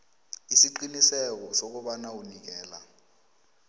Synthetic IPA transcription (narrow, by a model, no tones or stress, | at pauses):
isiǃinisɛk̬ɔsok̬uɓanaunik̬ɛːla